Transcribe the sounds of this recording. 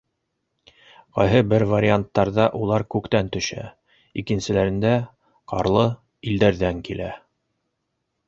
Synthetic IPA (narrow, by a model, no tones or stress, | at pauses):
qɑjɦɤbɘɾvaɾʲɪant̪ːɑɾðɑʔulˠɑɾkʉkt̪ænt̪ɵ̆ʃæ̰ | ikɘ̆nsɘ̆læɾɘ̆nd̪æ | qɑɾlˠɤ | ild̪æɾðæŋkilæ̰